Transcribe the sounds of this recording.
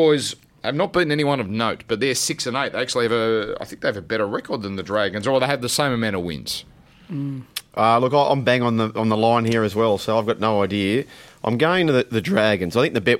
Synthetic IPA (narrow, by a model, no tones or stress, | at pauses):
ɔɪz | aɪvnət̚b̥ɨ̃nɛniwʌ̃nʌvnoʊt̚b̥ʌt̪̚ðə˞sɪksɨ̃neɪt̪̚ðeɪæk̚t͡ʃʉl̩ˠiɨvɨa̰ɪθɪ̃ŋk̚ðeɪvɨbɛɾə˞ɹɛkʰə˞d̪̚ðɨ̃nðɨdɹæɡɨ̃nzəðeɪɨvðɨsẽɪ̃mɨmæ̃ɾ̃əwɪ̰̃nz̥ | ʔʌlʊkaɪʔã̰ɪ̃mbæ̃ŋə̃nðəʔə̃nðəlãɪ̃nhiɹɨzwɛlˠsoʊaɪvɡɑtⁿnoʊaɪdiɨʔãɪ̃mɡoʊɪ̃ŋɪ̃ntɨðɨðɨdɹæɡɨ̃nzaɪθɪ̃ŋk̚ðɨbɛt̚